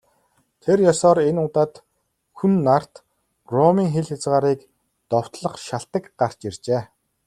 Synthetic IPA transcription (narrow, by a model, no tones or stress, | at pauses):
t̪ʰerjɔsɔːɾenʊt̪aːt̪ | xunːar̥t̪ | ɡ̥rɔmiːŋxeɮxet͡sʁaːɾiːk | t̪ɔw̥t̪ɮə̆χʃaɬt̪ə̆kɢar̥t͡ɕert͡ɕeː